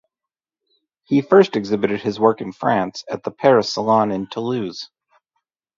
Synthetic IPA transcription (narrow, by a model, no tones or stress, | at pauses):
hifɜ˞stɨɡzɪbɨɾɨd̚ɨzwɜ˞kɨ̃n̩fɹæ̃nsɨt̪̚ðəpʰɛɹɨsəlˠɑ̃nɨ̃ntʰəlʉz̥